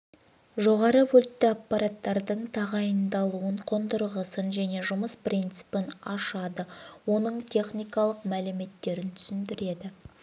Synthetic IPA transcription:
ʒo̞ʁɑɾəwolt̪ːɪapːɑɾat̪ːɑɾd̪əɴt̪ʰɑʁɑjənd̪ɑlˠuəɴqʰond̪əɾʁəsənʒæne̞ʒʊməsprʲint̪sɨ̥pɪnɑʃɑd̪əwo̞nəɴt̪ʲʰe̞χnijkɑlˠəqmælɪme̞t̪ːe̞ɾɪnt̪ʰʏ̥sɪnd̪ɪɾe̞d̪ɪ

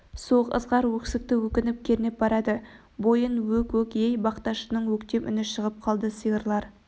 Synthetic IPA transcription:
soqə̰zʁɑɾwɵksɪk̚t̪ɪwɵkʲɪnɪp̚kʲʰe̞ɾɪnɪp̚bɑɾɑd̪ə | bo̞jənwɵkʲwɵkʲejbɑqt̪ɑʃənəɴwɵkt̪e̞pʔʏ̰nɪʃəʁəp̚qʰɑlˠd̪əsɨjəɾlˠɑɾ

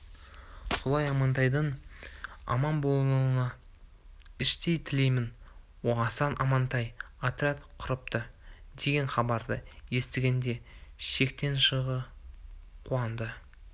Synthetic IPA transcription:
so̞lˠɑjɑmɑnt̪ɑjd̪əɴ | ɑ̰mɑnbo̞lˠənəlˠənɑ | ɪʃt̪e̞jt̪ʰɪle̞jmɪn | woɑsɑnʔɑmɑnt̪ɑjat̪ɾʲat̪qʰʊɾəp̚t̪əd̪e̞ɡʲe̞ɴχɑbɑɾd̪əje̞st̪ɪɡʲe̞nd̪e̞ʃe̞kt̪e̞nʃəʁə | qʰuɑnd̪ə

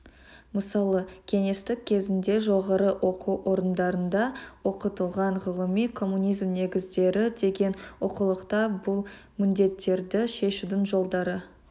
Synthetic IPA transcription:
məsɑlˠəkʲʰe̞ŋe̞st̪ɪk̚ʲkʲʰːe̞zɪnd̪e̞ʒo̞ʁɑɾəwʔo̞quʔo̞ɾənd̪ɑɾənd̪ɑwo̞qət̪əlˠʁɑɴʁəlˠəmijkʰo̞mːunʲijzmne̞ɡʲɪzd̪e̞ɾɪd̪e̞ɡʲe̞nwo̞qəlˠəqt̪ɑbʊlˠ | mɪnd̪e̞t̪ʰːe̞ɾd̪ɪʃe̞ʃud̪ɪŋʒo̞lˠd̪ɑɾə

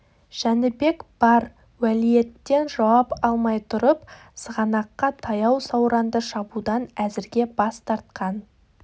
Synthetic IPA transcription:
ʒ̥ænɪbe̞kb̥ɑɾ | wælije̞t̪ːe̞nʒɑwɑpɑlˠmɑjt̪ʰʊɾəp | səʁɑnɑqːɑt̪ʰɑjɑwsɑwɾɑnd̪əʃɑbud̪ɑnæzɪɾɡʲe̞bɑst̪ɑɾt̪̚qɑn

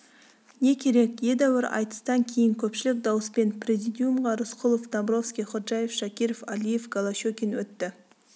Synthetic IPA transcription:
ne̞kʲʰe̞ɾe̞kʲje̞d̪æwɪɾɑ̰jt̪ə̥st̪ɑŋkʲʰe̞jɪŋkʲʰɵpʃɪlɪk̚d̪ɑwəspe̞npʰɾʲe̞zijd̪ijumʁɑɾʊsqʰʊlˠofd̪ambɾo̞fskʲijχʊɾʒɑje̞fʃakʲiɾofalije̞fɡalˠaʃokʲinwɵt̪ːɪ

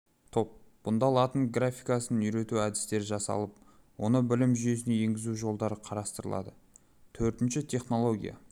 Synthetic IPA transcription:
t̪ʰo̞p̚b̥ʊnd̪ɑlˠɑt̪əɴɡrafʲijkasənʏjɾe̞t̪uæd̪ɪst̪e̞ɾʒɑsɑ̰lˠəp̚ | wo̞nəbɪlɪmʒʏje̞sɪne̞je̞ŋɡʲɪzuʒo̞lˠd̪ɑɾəqʰɑɾɑst̪əɾəlˠɑ̰d̪ə | t̪ʰɵɾt̪ɪnʃɪt̪ʲʰe̞χno̞lˠo̞ɡʲḭja̰

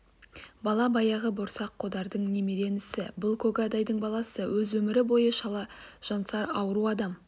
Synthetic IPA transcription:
bɑlˠɑbɑjɑʁəbʊɾsɑqʰːod̪ɑɾd̪əɴne̞me̞ɾe̞nɪsɪbʊlˠkʰoɡad̪ɑjd̪əɴbɑlˠɑsəwɵzwɵmɪɾɪbo̞jəʃɑlˠɑʒ̥ɑnsɑɾɑwəɾuɑd̪ɑm

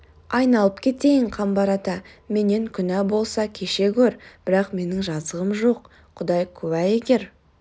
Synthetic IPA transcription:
ɑjnɑlˠəpkʲʰe̞t̪e̞jɪɴqʰɑmbɑɾɑt̪ɑme̞ne̞ŋkʲʰʏnæbo̞lˠsɑkʲʰe̞ʃe̞kʲʰɵɾb̥ɪɾɑqme̞nɪŋʒɑzəʁəmʒo̞q | qʰːʊd̪ɑjkʲʰɵbæje̞ɡʲe̞ɾ

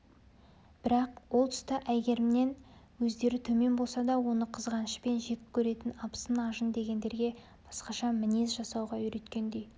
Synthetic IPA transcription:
b̥ɪɾɑqwo̞lˠt̪ʰʏ̥st̪ɪʔæjɡʲe̞ɾɪmne̞n | wɵzd̪e̞ɾɪt̪ʰɵme̞nbo̞lˠsɑd̪ɑwo̞nəqʰəzʁɑnəʃəpe̞nʒe̞k̪ʲɪ̥p̚kʲʰːɵɾe̞t̪ɪnɑpə̥sənɑʒənd̪e̞ɡʲe̞nd̪e̞ɾɡʲe̞ | b̥ɑsqɑʃɑmɪne̞zʒɑsɑwʁɑʏɾe̞t̪kʲe̞nd̪e̞j

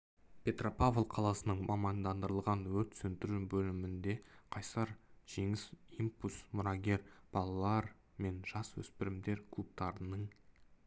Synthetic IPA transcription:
pʰʲe̞t̪ro̞pavlˠqʰɑlˠɑsənəɴmɑmɑnd̪ɑnd̪əɾəlˠʁɑnwɵɾt̪sɵnt̪ɪɾubɵlɪmɪnd̪e̞qʰɑjsɑɾʒ̥e̞ŋɪsimpusmʊɾɑɡʲe̞ɾb̥ɑlˠɑlˠɑɾ | me̞nʒ̥ɑswɵ̰spɪɾɪmd̪e̞ɾkʰlˠup̚t̪ɑɾənəɴ

